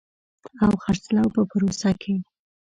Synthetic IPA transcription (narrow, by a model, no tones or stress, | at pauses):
awxaɾslawpəpəɾosakʰe